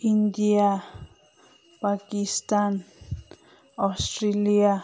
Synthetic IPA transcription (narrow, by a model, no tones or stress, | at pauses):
ind̪ia | pakist̪an | ast̪ɾelia